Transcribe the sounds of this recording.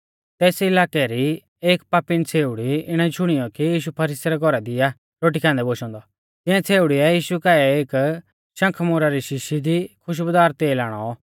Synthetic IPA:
t̪ɛːsiɪlaːkɛɾi | eːkpaːpɪnt͡sʰeːʊɽiɪɽ̃ãit͡ʃʰʊɽ̃ijɔkijiːʃ̬upʰɐɾiːsɛɾɛɡʱɔɾad̪ɪa | ɾoːʈ̬ikʰãːnd̪ɛboːʃɔ̃ːnd̪ɔ | t̪ɪ̃ãt͡sʰeːʊɽiɛjiːʃukaːɛeːk | ʃɐ̃ŋkʰmʊɾaɾiʃɪʃid̪ikʰʊʃ̬bəd̪aːɾt̪eːlaːɽ̃ɔ

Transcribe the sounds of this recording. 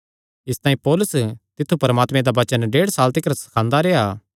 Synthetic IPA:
ɪst̪aːĩpɔːlʊst̪ɪt̪ʰːupɐɾəmaːt̪mẽd̪aʋɐt͡ʃənɖeːɽsaːlt̪ɪkɾsɐ̥kʰãːnd̪aɾeːaː

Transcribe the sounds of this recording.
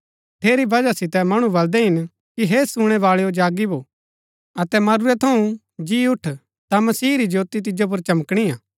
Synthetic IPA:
ʈ̪ʰeːɾibɐd͡ʒasɪt̪ɛmɐɽ̃ubɐld̪ɛɦɪn | kiɦesuɽ̃ɛʋaːɭeod͡ʒaːɡiboː | ɐt̪ɛmɐɾuɾɛt̪ʰɐũ | d͡ʒiʊʈʰ | t̪amɐsiːɾid͡ʒoːt̪it̪̬ɪd͡ʒop̬ʊɾt͡ʃɐməkɽ̃iãː

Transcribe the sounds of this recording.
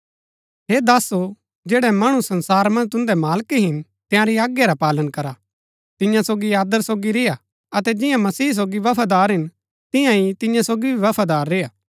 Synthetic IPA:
ɦeːd̪aːso | d͡ʒeːɽɛmaːɽ̃usɐ̃nsaːɾmɐ̃nd͡ʒt̪ʊ̃nd̪ɛmaːlkiɦɪn | t̪ɪ̃jãɾiaːɡjaɾapaːlənkɐɾa | t̪ɪjãsoːɡiaːd̪əɾsoːɡiɾɪja | ɐt̪ɛd͡ʒɪ̃jãmɐsiːs̬oːɡiʋɐpʰad̪aːɾɦɪn | t̪ɪ̃jãit̪ɪ̃jãsoːɡibʱiʋɐpʰad̪aːɾːejaː

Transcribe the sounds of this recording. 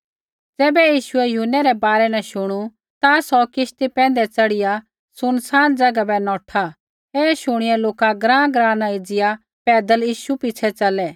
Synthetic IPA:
d͡zɛːbɛjiːʃʊɛjʊɦʊnːɛɾɛbaːɾɛnɛ̃ʃʊɽ̃u | t̪asɔkɪʃt̪ipɛ̃ːnd̪ɛt͡sɐɽɪja | sʊnsaːnd͡zɐɡabɛnɔ̃ːʈʰa | ɛːʃʊɽ̃ɪjɛloːkaɡɾãːɡɾãːnaɪd͡zɪja | pɛːd̪əljiːʃupɪt͡ʃʰɛt͡sɐlɛ

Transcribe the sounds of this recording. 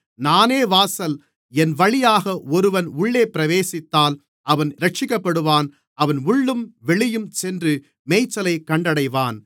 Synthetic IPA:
naːneːʋaːsɐl | ɛnʋɐɭɪjaːɣɐɔɾɯʋɐnʊɭːeːpɪɾɐʋeːsɪt̪ːaːl | ʔɐʋɐnɾɐʈ̚t͡ʃɪkːɐpːɐɽɯʋaːn | ɐʋɐnʊɭːɯmʋɛɭɪjɯmsɛndrɯ | meːɪt͡ʃːɐlɐɪkːɐɳɖɐɽɐɪʋaːn

